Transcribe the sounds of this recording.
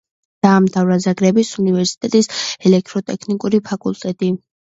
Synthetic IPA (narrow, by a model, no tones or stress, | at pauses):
d̪̥aːmt̪ʰavɾazaɡɾɛbisunivɛɾsi̥t̪ʼɛt̪ʼisɛlɛk̚t̪ʼɾɔt̪ʼɛkʰnikʼuɾipʰakʼulˠt̪ʼɛt̪ʼi